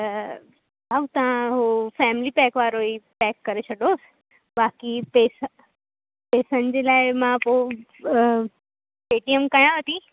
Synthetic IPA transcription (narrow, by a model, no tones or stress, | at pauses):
baːut̪ɐʋ̤ãɦuːfɛːmɪlipɛːkʋaːɾoipɛːkːɐɾesʰɐɖoːs | baːkipeːs | peːsənɪ̆d͡ʑeːlaːɪmãpo | eːʈijəmkajãʋət̪i